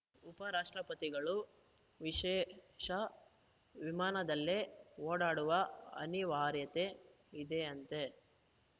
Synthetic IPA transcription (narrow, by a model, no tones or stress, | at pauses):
upɐɾaːʂʈɾɐpɐt̪iɡɐɭu | ʋiʂɛːʂɐ | ʋimaːnɐd̪ɐlːeoːɽaːɽuʋɐɐ̰niʋaɾjɐt̪e̞ | id̪eɐnt̪e̞